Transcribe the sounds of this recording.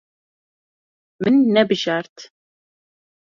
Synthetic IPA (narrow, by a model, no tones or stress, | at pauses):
mɨnːɛbɨʒaɾt̪ʰ